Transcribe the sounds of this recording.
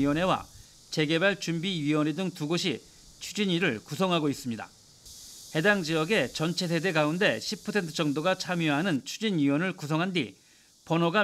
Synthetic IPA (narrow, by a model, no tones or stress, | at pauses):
iwʌnɦe̞wa̰ | t͡ɕe̞ɡe̞baɭt͡ɕumbiɥiwʌnidɯŋtuɡoɕ̬ʰi | t͡ɕʰud͡ʑiɲiɾɯɭkusʰʌŋɦaɡois͈ɯmɲida̰ | he̞daŋd͡ʑijʌɡe̞t͡ɕʌnt͡ɕʰe̞sʰe̞de̞ɡaunde̞ɕʰipʰʌsʰe̞ntʰɯ̥t͡ɕʌŋdoɡat͡ɕʰamjoɦanɯnt͡ɕʰud͡ʑinɥiwʌnɯɭkusʰʌŋɦandḭ | pʌnoɡa